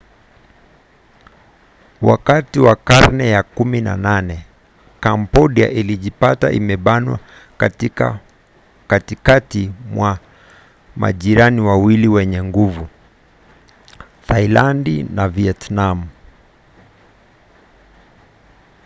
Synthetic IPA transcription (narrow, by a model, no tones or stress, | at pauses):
wa̰katiwakaɾnɛjakumina̰nanɛ | kampɔɗia̰ʔiliʄipata̰ʔḭmɛɓanwa̰ | katikatimwa | ma̰ʄiɾaniwawiliwɛɲɛŋɡuvu | tʰailandinaviɛtnamu